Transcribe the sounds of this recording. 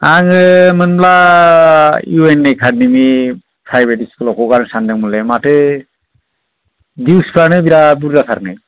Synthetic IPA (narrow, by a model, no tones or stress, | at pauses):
aŋɯmɯnbla | juenːejkʰad̚nimi | pʰɾajbɛtiskɯlɔkɔkaɾɯŋsandɛŋmulɛmatɯ | diwspʰlanɯbiɾabuɾdasʰaɾnaj